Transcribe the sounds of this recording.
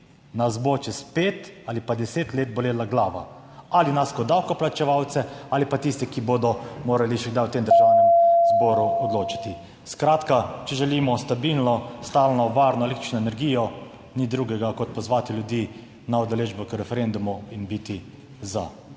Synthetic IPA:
nazbot͡ʃɛspeːt̪aːlipad̪ɛseːt̪leːt̪̚bɔleːlaɡlaːʋa̰ | alinaskɔd̪awkɔplat͡ʃɛʋawt̪sɛalipat̪ist̪ɛkiboːd̪ɔmoːɾaliʃɛɡd̪ajwt̪eːmd̪əɾʒawnɛmzbɔːɾuɔd̪loːt͡ʃḁt̪i | skɾaːt̪kat͡ʃɛʒɛliːmɔst̪abilnɔst̪aːlnɔʋaːɾnɔɛlekt̪ɾt͡ʃnɔɛnɛɾɡijɔ | nid̪ɾuːɡɛɡakɔt̪̚pɔzʋaːt̪iljud̪jiː | naɔd̪ɛleːʒbɔkəɾɛfɛɾend̪umuinbit̪i | za

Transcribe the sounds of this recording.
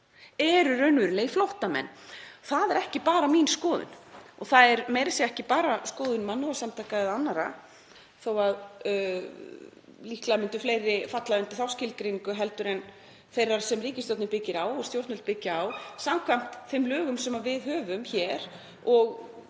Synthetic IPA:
ɛɾʏɾœɥnvʏɾlejflowht̪amɛ̰nːθaðɛɾɛhcɪpaːɾaminskɔːðʏ̰nɔɣθaðɛɾmejɾasjɛɛhcɪpaːɾaskɔːðʏnmanːuasamt̪ʰakaɛðanːaɾa̰ | θowað | lihklamʏnt̪ʏflejɾːɪfat̪laɪnt̪ɪ̥θawscɪlkɾeniŋkʏɦɛlt̪ʏɾɛn | fejrːaɾ̥sɛmriːcɪst̪ɔt̪nɪpɪcːɪɾawɔst̪jowɾt̪nʏlt̪̚pɪcːɪawsamkʰvam̥t̪θɪmlœːɣʏmsɛmavɪðɦœːvʏmçɛɾ | ɔɣ

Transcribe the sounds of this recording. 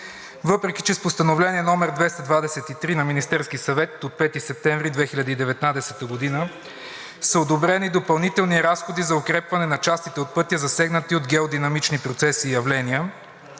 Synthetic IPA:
vɤpɾɛkʲi̥t͡ʃɛspost̪ɐnovlɛniənɔmɛɾd̪vɛst̪ɐd̪vad̪ɛsɛt̪it̪ɾinɐminist̪ɛɾskisɐvɛt̪ot̪̚pɛt̪isɛp̚t̪ɛ̃ɱvɾid̪vɛxilʲɐd̪əid̪ɛvɛt̪nad̪ɛsɛt̪əɡod̪inə | səod̪obɾɛnid̪opɐlˠnit̪ɛlˠniɾasxod̪izɐokɾɛpvɐnɛnɐt͡ʃast̪it̪ɛot̪̚pɤt̪iəzɐsɛɡnət̪iod̪ɡʲɛod̪inɐmit͡ʃnipɾot̪sɛsiːjɐvlɛniə

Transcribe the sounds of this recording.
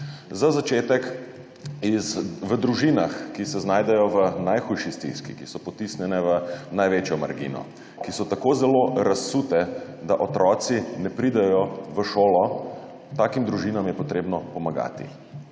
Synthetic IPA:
zazat͡ʃeːt̪ɛk | izʋəd̪ɾuʒinaxkisɛznaːjd̪ɛjɔʋənajxujʃist̪ḭskḭkisɔpɔt̪isnʲjɛnɛʋənajʋeːt͡ʃjɔma̰ɾɡḭnɔ̰ | kisɔt̪akoːzɛloɾasut̪ɛ | d̪aʔɔt̪ɾɔːt̪sinɛpɾid̪ɛjɔʋəʃoːlɔ | t̪aːkimd̪ɾuʒiːnamjɛpɔt̪ɾeːbnɔpɔmaɡa̰ːt̪ḭ

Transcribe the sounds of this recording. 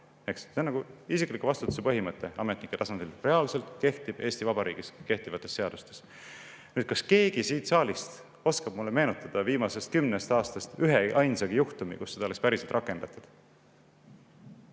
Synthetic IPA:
ekssenːɑɡuisiklikːuvɑst̪ut̪ːu̥sepɤɦimɤt̪ːˑe̞ɑmet̪nikːˑet̪ɑsɑnd̪̥ilre̞ɑlse̞lt̪ke̞ht̪ib̥e̞ːst̪ivɑbɑɾḭːɡ̥iske̞ht̪ivɑt̪ˑːe̞sːeɑd̪̥ust̪e̞s | nyːd̪̥kɑske̞ːɡisiːt̪sɑːlist̪ | o̞skɑb̥mulːe̞me̞ːnut̪ːˑɑd̪̥ɑviːmɑse̞st̪kymnest̪ɑːst̪ɑst̪yɦeʔɑjnsɑɡijuht̪umḭkusːe̞d̪ɑolekspæɾise̞lt̪rʔɑkːˑe̞nd̪̥ɑt̪ˑud̪̥

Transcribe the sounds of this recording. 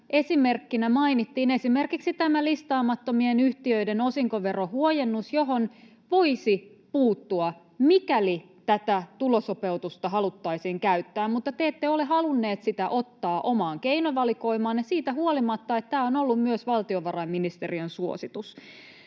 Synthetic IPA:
ʔe̞sime̞rkːinæmɑinit̪ːiːne̞sime̞rkiksit̪æmælist̪ɑːmɑt̪ːomienyht̪iøidenosiŋkoʋe̞rohuojenːusjo̞ɦon | ʋo̞isi | puːt̪ːuɑ | mikæli | t̪æt̪æt̪ulosope̞wt̪ust̪ɑɦɑlut̪ːɑisiːŋkæyt̪ːæːmmut̪ːɑt̪eːt̪ːeoleɦɑlunːe̞ːt̪sit̪æʔo̞t̪ːɑːʔo̞mɑːŋkeinoʋɑliko̞imɑːnjɑsiːt̪æhuolimɑt̪ːɑet̪t̪ːæːonolːummyøsʋɑlt̪ioʋɑrɑimːinist̪eriønsuosit̪us

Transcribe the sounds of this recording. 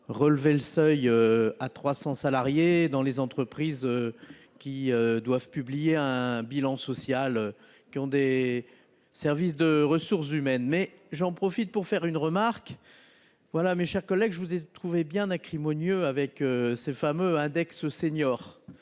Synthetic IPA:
ʁəlveləsœjøat̪χwasɑ̃salaʁjed̪ɑ̃lezɑ̃t̪χəpχizø | kʲiød̪wavpyblijeɛ̃bilɑ̃sɔsjalø | kʲiɔ̃d̪e | sɛʁvis̬d̪əʁəsuʁs̬ymɛnmɛ | ʒɑ̃pχɔfit̪̚puʁfɛʁynʁəmaʁk | vwalameʃɛʁkɔlːɛɡʒəvuzɛt̪χuvebjɛ̃nakχimɔnjøavɛkøsefamøɛ̃d̪ɛkssenjɔːʁ

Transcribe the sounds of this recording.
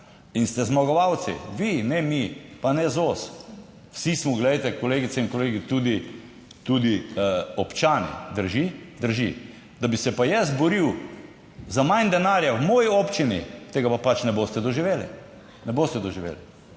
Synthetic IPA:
inst̪ɛzmɔɡɔʋaw̪sḭʋinɛmipanɛzoːs | wsismɔɡlɛjt̪ɛkɔleːɡit̪sɛinkɔleːɡit̪ud̪i | t̪ud̪iɔpt͡ʃaːnḭd̪əɾʒid̪əɾʒḭ | d̪abisɛpajɛs̬t̪bɔɾiw | zamajnd̪ɛnaːɾjawmɔːjiopt͡ʃinḭt̪eːɡapapat͡ʃnɛboːst̪ɛd̪ɔʒiʋeːlḭ | nɛboːst̪ɛd̪ɔʒiʋḛːli

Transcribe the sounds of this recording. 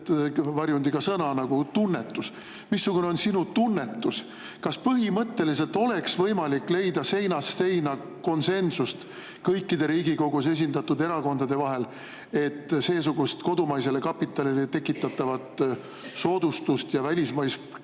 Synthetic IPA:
vɑɾjund̪̥iɡ̥ɑsɤnɑnɑɡ̥ut̪unːe̞t̪ːˑus | misːukuneo̞nsinut̪unːe̞t̪ːˑus | kɑspɤɦimɤt̪ːe̞lise̞lt̪ˑo̞le̞ksvɤjmɑlikːˑle̞jd̪̥ɑse̞jnɑsːe̞jnɑ | ko̞nse̞nsust̪ | kɤjkːid̪̥e̞ɾiːɡiɡo̞ɡ̥us̬e̞s̬ʲind̪̥ɑt̪ːud̪e̞ɾɑko̞nd̪ɑd̪e̞vɑɦe̞l | e̞t̪ːse̞ːs̬uɡ̥ust̪ko̞d̪umɑjs̬e̞le̞kɑpːˑit̪ːˑɑlilet̪e̞kːˑit̪ˑːɑt̪ːˑɑvɑt̪ | so̞ːd̪̥ust̪ust̪jɑvælʲismɑjst̪

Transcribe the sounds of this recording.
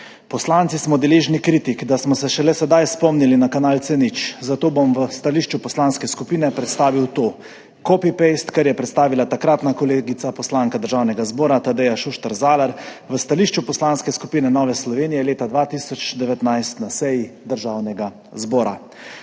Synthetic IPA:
pɔslant̪sismɔd̪ɛleːʒnikɾiːt̪ikd̪asmɔsɛʃɛlɛsɛd̪ajspɔmnilinakanaːlt̪sɛnit͡ʃzat̪oːbomʋəst̪aliːʃt͡ʃupɔslanskɛskupiːnɛpɾɛt̪st̪aːʋiwt̪oː | kɔpipest̪kɛɾjɛpɾɛt̪st̪aːʋilat̪akɾat̪nakɔleːɡit̪sapɔslaŋkad̪əɾʒaːwnɛɡazbɔːɾat̪ad̪ɛjaʃuʃt̪ɛɾzaːlaɾʋəst̪aliːʃt͡ʃupɔslanskɛskupiːnɛnɔːʋɛslɔʋeːnijɛleːt̪ad̪ʋat̪iːsɔt͡ʃd̪ɛʋɛt̪najst̪nasɛjid̪əɾʒaːwnɛɡa | zbɔːɾa̰

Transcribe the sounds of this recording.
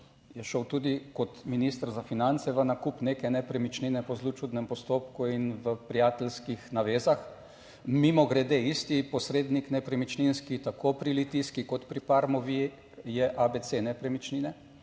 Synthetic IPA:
jɛʃɔwt̪uːd̪ikɔt̪minist̪əɾzafinant̪sɛʋənakupneːkɛnɛpɾɛmit͡ʃninɛpɔzlut͡ʃud̪nɛmpɔst̪oːp̚kuinʋəpɾijaːt̪ɛlskixnaʋeːzax | mimɔɡɾɛd̪eist̪ipɔsɾeːd̪niknɛpɾɛmit͡ʃninskit̪akopɾilit̪iskikɔt̪pɾipaɾmɔʋi | jɛʔabet̪senɛpɾɛmit͡ʃninɛ

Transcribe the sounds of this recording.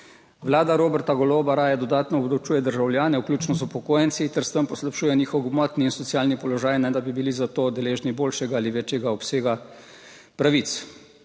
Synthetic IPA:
ʋlaːd̪aɾoːbɛɾt̪aɡɔloːbaɾaːjɛd̪ɔd̪aːt̪nɔɔbd̪ɔwt͡ʃuːjɛd̪əɾʒawljaːnɛwklʲuːt͡ʃnɔzupɔkoːjɛnt̪sit̪ɛɾst̪əmpɔslapʃuːjɛniːxɔɡmɔːt̪niːnsɔt̪sjaːlnipɔlɔʒaːjnɛd̪abibilizat̪oːd̪ɛleːʒniboːlʃɛɡaaliʋeːt͡ʃjɛɡaɔpseːɡa | pɾaʋit̪s

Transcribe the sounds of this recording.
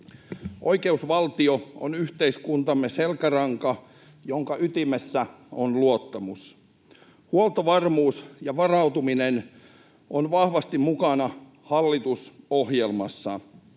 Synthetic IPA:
ʔo̞ikeusʋɑlt̪ioo̰nyht̪eiskunt̪ɑmːeselkærɑŋkɑ | joŋkɑʔyt̪imesːæ | onluot̪ːɑmus | huolt̪oʋɑrmuːsjɑʋɑrɑut̪uminen | ʔonʋɑhʋɑst̪immukɑnɑ | hɑlːit̪usohjelmɑsːɑ

